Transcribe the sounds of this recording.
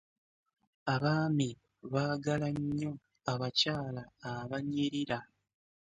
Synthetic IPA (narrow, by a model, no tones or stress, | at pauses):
aβaːmi | βaːɡalaɲːo̞ | aβacaːlaːβaɲiɾiɾa